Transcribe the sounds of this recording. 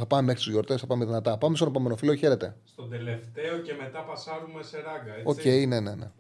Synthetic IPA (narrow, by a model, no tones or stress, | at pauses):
θɐpɐmemexɾiszʝoɾt̪e̞sθɐpɐmeðinɐt̪ɐpɐmest̪onpome̞nofiloçe̞ɾet̪e̞st̪od̪ele̞ftt̪eoce̞me̞t̪ɐpɐsɐɾumeseɾɐɡɐeo̞ce̞ine̞nenḛ